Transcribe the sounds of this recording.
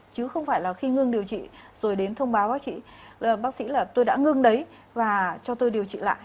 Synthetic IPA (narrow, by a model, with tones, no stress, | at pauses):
t͡ɕɨ˨˦xə˧wŋ͡mfaː˧˩jlaː˨˩xi˧ŋɨ˧ŋɗi˨˩əwt͡ɕḭ˧˨z̥o˨˩jɗe˨˦nt̪ʰə˧wŋ͡mɓaː˨˦wɓaː˦˥k̚t͡ɕḭ˧˨ləː˨˩ɓaː˦˥k̚sḭ˧˥laː˨˩t̪o˧jɗa̰ː˧˥ŋɨ˧ŋɗə˨˦j | vaː˨˩t͡ɕɔ˧t̪o˧jɗi˨˩əwt͡ɕḭ˧˨la̰ː˧˨j